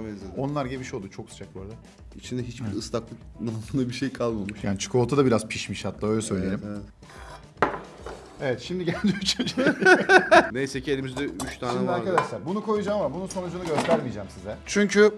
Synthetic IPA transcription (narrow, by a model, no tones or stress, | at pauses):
mezed̪o̞nlˠaɾɟemiʃo̞lˠd̪ut͡ʃʰo̞kst͡ʃʰak̚bøɾd̪ɛ | it͡ʃʰind̪ɛɦit͡ʃbiɾɯst̪aklˠɯknaɯnabiʃejkʰalˠmamuʃjaːnit͡ʃʰɯ̥kʰo̞lˠt̪ʰud̪abiɾazpʰiʃmiʃhat̪lːaːø̞jlʲɛsø̞jlʲelʲim | evɛt̪ʃimd̪iɟælʲd͡ʒiyt͡ʃʰynd͡ʒ | nejsɛcʰielʲimizd̪ɛyt͡ʃt̪ʰaːʃniɛmd̪aɾkad̪aʃlˠaɾbunukʰo̞jud͡ʒaːmːabununso̞nud͡ʒunuɟø̞st̪æɾmid͡ʒamsizɛt͡ʃʰyɲcʰy